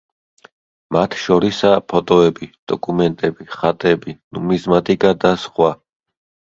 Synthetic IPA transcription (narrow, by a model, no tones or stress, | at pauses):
mat̪ʰʃɔɾisapʰɔt̪ʼɔɛbid̪̥ɔkʼumɛnt̪ʼɛbiχat̪ʼɛbinumizmat̪ʼikʼad̪asχwa